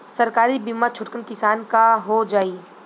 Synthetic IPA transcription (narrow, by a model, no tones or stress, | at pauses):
sɐɾkaːɾibimat͡ʃʰʊʈkənkɪsaːnkaɦod͡ʒaːiː